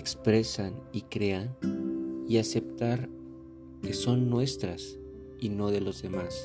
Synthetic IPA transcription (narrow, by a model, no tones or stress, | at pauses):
ekspɾe̞sanikɾe̞an | iase̞p̚t̪aɾ | ke̞so̞nːwe̞st̪ɾas | ino̞ðe̞lo̞zðe̞mas